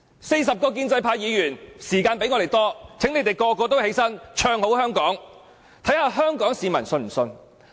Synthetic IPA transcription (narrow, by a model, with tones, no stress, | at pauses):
se˧js̬ɐ˨p̚kɔː˧k̬iː˧nt͡sɐ˧jpʰaː˧jiː˨˧jyː˨˩nsiː˨˩kaː˧npe˨˥jŋɔ˨˧ɾe˨jt̪ɔː˥t͡sʰŋne˨˧jt̪e˨jkɔː˧kɔː˧t̪o˥whe˨˥jsɐ˥nt͡ʃʰœː˧ŋho˨˥whœː˥ŋkɔː˨˥ŋ | t̪ʰɐ˨˥jhaː˨˧ɦœː˥ŋkɔː˨˥ŋsiː˨˧mɐ˨˩nsɵ˧nm̩˨˩sɵ˧n